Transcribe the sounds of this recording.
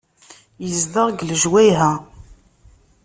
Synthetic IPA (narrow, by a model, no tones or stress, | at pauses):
jəzd̪əʁɡlʒwæjɦæ